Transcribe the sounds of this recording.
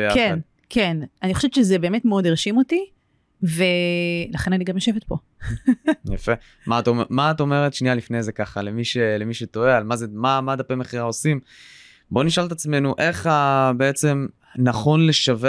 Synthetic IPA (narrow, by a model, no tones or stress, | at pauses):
jakedn | kʰenanixoʃevet͡ʃezebe̞ːmetmeodeʁʃimo̞ti | velaχe̞naniɡamjoʃevet̪̚po̞ | jafe | maːt̪ommaːto̞me̞ʁet̪ʃnialifnejzekaχalemiʃelemiʃeto̞ealmazemamad̪apemeχiʁaosim | bo̞niʃalt̪at͡sme̞nuʔe̞χabeet͡se̞m | naχo̞nle̞ʃave